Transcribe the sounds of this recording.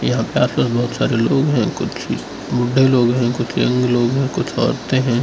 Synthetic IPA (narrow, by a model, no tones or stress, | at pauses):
jɐɦãpeaːspaːsbɔɦʊt̪saːɾeloːɡɦɛ̃kʊt͡ʃʰḭ | bʊɖʱːeloːɡɦɛ̃kʊt͡ʃʰjɐ̰̃ŋɡloːɡɦɛ̃kʊt͡ʃʰɔ̰ːɾt̪eɦɛ̃ː